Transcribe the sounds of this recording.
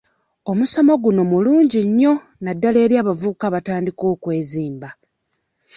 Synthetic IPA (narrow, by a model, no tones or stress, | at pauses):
o̞muso̞mo̞ɡuno̞muluːɲɟiɲːo̞ | nadːale̞ːɾjaːβavukaβataːndiko̞ːkwe̞ːziːmba